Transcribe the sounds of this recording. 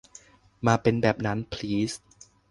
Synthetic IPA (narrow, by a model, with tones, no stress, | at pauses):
maː˧pe˧nbɛː˨˩p̚na˦˥npʰliː˦˥s